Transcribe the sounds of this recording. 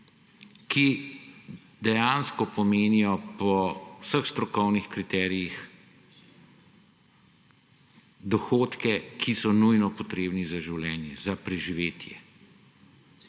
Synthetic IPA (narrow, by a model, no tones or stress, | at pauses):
kʰi | d̪ɛjanskɔpɔmeːnijɔpɔwsəxst̪ɾɔkɔwnixkɾit̪ɛːɾijix | d̪ɔxoːt̪kɛkʰisɔnujnɔpɔt̪ɾeːbnizaʒiwlʲɛːnjɛzapɾɛʒiʋeːt̪jɛ